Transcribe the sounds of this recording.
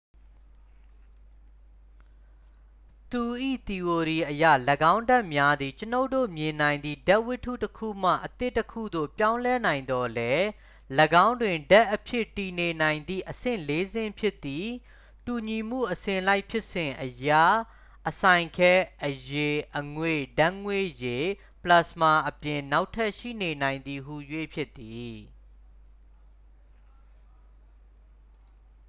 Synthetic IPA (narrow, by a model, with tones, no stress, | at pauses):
t̪u˨ʔḭ˦˨t̪i˨wo˨ɾi˨ʔəjä̰˦˨ləɡã˦ʊ̃nda˦˨ʔmja˦d̪i˨t͡ɕəno˦ʊto̰˦˨mjɪ̃˨nã˨ɪ̃nd̪ḭ˦˨da˦ʔwɪ˦tʰːṵ˦˨təkʰṵ˦˨m̥ä̰˦˨ʔət̪ɪ˦ʔtːəkʰṵ˦˨d̪o̰˦˨pjã˦ʊ̃lɛ˦nã˨ɪ̃nd̪ɔ˨lɛ˦ | ləɡã˦ʊ̃ndwɪ̃˨nda˦ʔːəpʰjɪ˦˨ti˨ne˨nã˨ɪ̃nd̪ḭ˦˨ʔəsɪ̰̃˦˨le˦zɪ̃˦pʰjɪ˦t̪ːi˦˨ | tu˨ɲi˨m̥ṵ˦˨ʔəsɪ̃˨la˦ɪʔpʰjɪ˦ʔsɪ̃˨ʔəja˦˨ | ʔəsã˨ɪ̃ŋkʰɛ˦ʔəje˨ʔəŋwe˦˨dã˦ŋwe˦˨je˨ | pla˦˨sma˨ʔəpjɪ̃˨na˦ʊtʰːɛ˦ʔʃḭ˦˨ne˨nã˨ɪ̃nd̪i˨ɦu˨jwe˦˨pʰjɪ˦t̪ːi˨